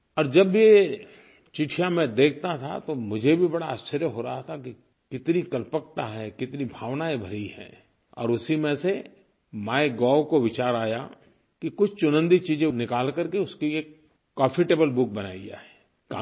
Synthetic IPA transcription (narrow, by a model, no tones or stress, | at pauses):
ɔːɾd͡ʒɐbje | t͡ʃɪʈʰijãmẽd̪eːk̚ʰt̪at̪ʰa̰t̪omʊd͡ʒʱebʱibɐɽaəst͡ʃəɾjəɦoɾaɦat̪ʰaki | kɪt̪nikɐlpəkt̪aɦɛkɪt̪nibʱaːʋnaebʱɐɽiɦɛ̰̃ː | ɔ̰ːɾʊsimẽse | maːeɡɔːwkoʋɪt͡ʃaːɾaːja̰ | kikʊt͡ʃʰt͡ʃʊnə̃nd̪it͡ʃiːd͡ʒẽnɪkaːlkɐɾkeʊskieːkː | ɔ̃ːfɪʈeːbəlbʊk̚bɐna̰ːia̰ɦɛː | ka̰ː